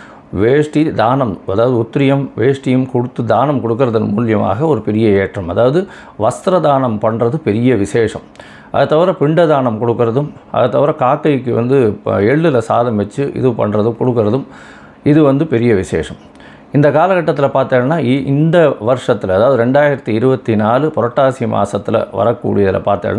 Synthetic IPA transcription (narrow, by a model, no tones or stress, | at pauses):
ʋeːʂʈid̪aːnɐmɐðaːʋɐðɯʊt̪ːɪɾɪjɐmʋeːʂʈɪjɯmkɔɽɯt̪ːɯd̪aːnɐmkɔɽɯkːɯɾɐðɐnmṵːlɪjɐma̰ːɣɐɔɾɯpɛɾɪjɐeːʈrɐmɐðaːʋɐðɯ | ʋɐst̪ɾɐd̪aːnɐmpɐɳrɐðɯpɛɾɪjɐʋɪseːʂɐ̰m | ʔɐ̰ðɯt̪ːɐʋɐɾɐ̃pɪɳɖɐd̪aːɳɐmkɔɽɯkːɯɾɐðɯmʔɐ̰ðɯt̪ːɐʋɪɾɐ̃kaːkːɐjkːɯʋɐ̰nd̪ɯɛɭːɯlɐsaːðɐmʋɛt͡ʃːɯʔɪ̰ðɯpɐ̰ɳrɐðɯmkɔɽɯkːɯɾɐðɯm | ɪðɯʋɐnd̪ɯpɛɾɪjɐʋɪsḛːʂɐm | ɪnd̪ɐkaːlɐkɐʈːɐt̪ːɪlɐpaːɾt̪aːɭnaːʔɪnd̪ɐʋɐɾʂɐt̪ːɪlɐðaːʋɐðɯɾɛɳɖaːjɪɾɐt̪ːiɪɾɯbɐt̪ːinaːlɯpɔɾɐʈːaːsɪjɐma̰ːsɐt̪ːɪlɐ̰ʋɐ̰ɾɐkːṵːɽɪjɐðɪlɐ̰paːɾt̪a̰ːln